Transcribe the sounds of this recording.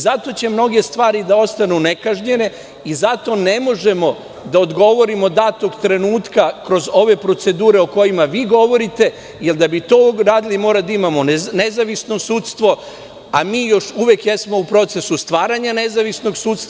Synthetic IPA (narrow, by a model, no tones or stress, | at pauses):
zat̪o̞t͡ɕe̞mno̞ɡe̞st̪ʋaːɾid̪ao̞st̪anune̞kaʒɲe̞ne̞ | izat̪o̞ne̞mo̞ʒe̞mo̞ | d̪aod̪ɡo̞ʋo̞ɾimo̞d̪at̪o̞ɡt̪ɾe̞nuːt̪kakɾo̞zo̞ʋe̞pɾo̞t̪se̞d̪uːɾe̞oko̞jimaʋiːɡo̞ʋo̞ɾit̪e̞ | jeld̪abit̪o̞ːɾaːd̪ilimo̞ːɾad̪aimamo̞ne̞zaʋisno̞suːt̪st̪ʋo̞ | amiːjo̞ʃuʋjekjesmo̞upɾo̞t̪se̞sust̪ʋaːɾaɲane̞zaʋisno̞ɡsuːt̪st̪a